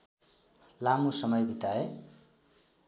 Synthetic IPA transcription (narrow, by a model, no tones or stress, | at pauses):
lamusʌmʌjbʱit̪ae